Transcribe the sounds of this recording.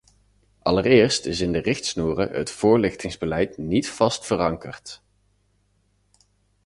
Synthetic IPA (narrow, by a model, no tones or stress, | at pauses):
ʔɑ̰lərɪːɹstɪsɪndərɪχtsnuːrə̰ə̰tfʊːɹlɪχtɪŋzbəlɛjtnitfɑstfərɑŋkərt